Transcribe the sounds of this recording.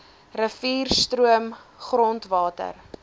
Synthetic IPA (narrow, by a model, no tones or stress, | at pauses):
rəviːrstɾuəmχrɔntvɑːtə̰r